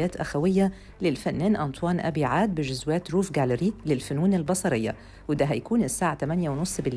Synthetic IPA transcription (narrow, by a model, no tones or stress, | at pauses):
æːt̪ʔæ̰xæwɪjːæ | lɪlfænːæːnʔɑnt̪ˤwɑːnʔæ̰biːʕaːd̪̚bɪʒʊzwæːt̪ɾuːfɡælɪɾiːlɪlfʊnuːnɪlbɑsˤɑɾɪjːa̰ | wɪd̪æɦæjkuːnɪsːaːʕat̪æmænjæwnosˤbɪl